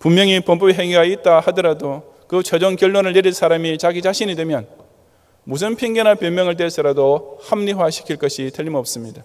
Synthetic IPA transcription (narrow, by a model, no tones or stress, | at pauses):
pummjʌŋipompʌbiɦeŋiɡait̚t͈ahadʌɾado | kɯt͡ɕʰʌd͡ʑʌŋkjʌɭːwonɯɭːeɾins͈ʰaɾamit͡ɕaɡit͡ɕaɕʰinidwemjʌn | mus̬ʰɯnpʰiŋɡenapjʌmjʌŋɯɭt̬͈es͈ɯɾadohamɲiwaɕʰi̥kʰiɭk͈ʌɕʰitʰeʎːimʌp̚s͈ɯmɲida